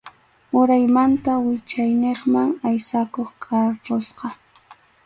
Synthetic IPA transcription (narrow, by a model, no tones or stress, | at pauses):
ʊɾajmant̪awɪt͡ʃajneχmaŋajsakoχkʰaɾɾosqɑ